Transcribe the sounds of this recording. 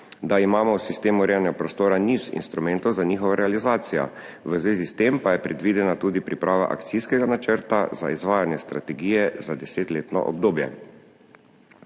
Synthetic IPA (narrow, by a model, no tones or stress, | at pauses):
d̪aimaːmɔwsist̪eːmuɾɛːjanɛɡapɾɔst̪oːɾanizḭnst̪ɾumɛnt̪ɔwzaɲiːxɔʋaɾɛalizaːt̪sija̰ | ʋəzʋeːzist̪empajɛpɾɛd̪ʋiːd̪ɛnat̪uːd̪ipɾipɾʔaːʋa̰ʔa̰kt̪siskɛɡanat͡ʃəɾt̪aza̰izʋaːjanjɛst̪ɾat̪ɛɡiːjɛzad̪ɛseːt̪leːt̪nɔ̰ʔɔ̰b̚d̪oːbjɛ̰